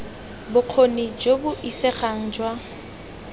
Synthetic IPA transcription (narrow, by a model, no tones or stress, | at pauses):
bʊq͡χʰonid͡ʒobʊʔisɛχaŋ̩d͡ʒwa